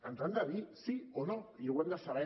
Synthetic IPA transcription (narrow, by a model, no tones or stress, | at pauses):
ant̪ɾand̪aβisionojeɣwand̪asaɾa